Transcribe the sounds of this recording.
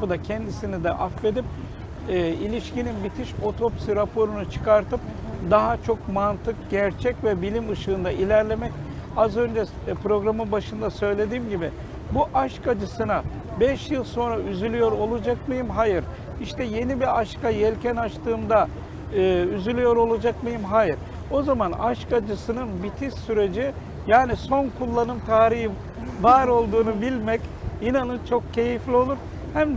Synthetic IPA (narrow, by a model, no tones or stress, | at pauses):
fɯd̪acʰɛnd̪isinid̪ɛ̰ʔafve̞d̪ip̚ː | ilʲiʃcininbit̪ʰiʃo̞t̪ʰo̞psɯɾapʰo̞ɾunut͡ʃʰɯ̥kaɾt̪ɯp̚d̪aɦat͡ʃʰo̞kmant̪ʰɯkɟæɾt͡ʃʰɛcvɛbilʲimɯʃɯːnd̪aʔilʲæɾlʲe̞mɛcazø̞nd͡ʒɛ | pɾo̞ɡɾamɯmbaʃɯnd̪asø̞jlʲe̞d̪iːmɟibi | buʔaʃkad͡ʒɯsɯna | bɛʃjɯlˠso̞nɾayzylʲyjo̞ɾo̞lˠud͡ʒakmɯjɯmɦajɯɾ | iʃt̪ʰɛje̞nibiaʃkajɛlʲcʰɛnat͡ʃt̪ɯːmd̪a | ɯːyzylʲyjo̞ɾo̞lˠad͡ʒakmɯjɯmɦajɯɾ | o̞zamana̰ʃkad͡ʒɯsɯnɯnbit̪ʰiʃsyɾe̞d͡ʒi | jaːniso̞nkʰulˠːanɯmt̪ʰaːɾihi | vaːɾo̞lˠd̪uːnubilʲmɛcinanɯnt͡ʃʰo̞kcʰe̞jiflʲio̞lˠuɾ | hæm